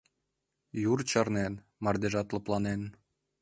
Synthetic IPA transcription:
jurt͡ɕɑrnen | mɑrd̪eʒɑt̪lɤ̆plɑnen

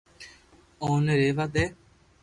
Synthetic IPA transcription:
oːneɾeːʋad̪eː

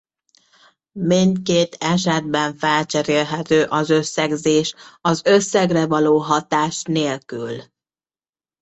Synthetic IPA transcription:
mint̪̚keːt̪ɛʃɛd̪̚bɛɱfɛlt͡ʃɛɾeːlɦɛt̪øːʔɒzø̞sːɛɡzeːʃɒzø̞sːɛɡrɛvɒloːɦɒt̪aːʃneːlkyl

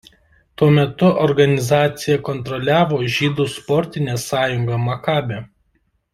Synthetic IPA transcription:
t̪uɔmʲɛt̪ʊʔɔɾɡɐnʲɪzɑːt̪sʲɪjɛkɔnt̪ɾɔlʲæːʋoːʒʲiːd̪uːspɔɾʲt̪ʲɪnʲeːsɑːjʊŋɡɐmɐkɑːbʲe

